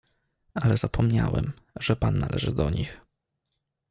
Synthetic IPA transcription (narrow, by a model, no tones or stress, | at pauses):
alɛzapʰɔmɲawɛm | ʐ̥ɛpanːalʔɛʐɘd̪ɔɲix